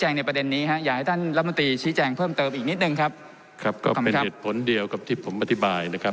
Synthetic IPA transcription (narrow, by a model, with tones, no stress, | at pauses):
t͡ɕɛː˧ŋna˧jpɾa˧de˧nːiː˦˥ɦa˦˥ʔjaː˨˩k̚a˥˩jt̪ʰa˥˩nɾa˦˥m˧nt̪ɾiː˧t͡ɕʰiː˦˥t͡ɕɛː˧ŋpʰɤː˥˩mt̪ɤː˧mʔiː˨˩ni˦˥t̪̚nɯ˨˩ŋkʰa˦˥p̚ | kʰɾa˦˥p̚kɔ̰ː˥˩e˧kʰeː˨˩t̪̚pʰo˩˦ndi˧əwka˨˩p̚t̪ʰiː˥˩pʰo˩˦mʔa˧t̪ʰi˦˥baː˧jna˦˥kʰa˦˥